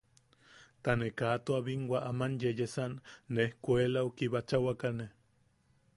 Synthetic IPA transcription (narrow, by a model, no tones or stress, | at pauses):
t̪anekaːt̪oaβiŋɡwaʔamanjejesanːehkʷelaukiβat͡ʃawakane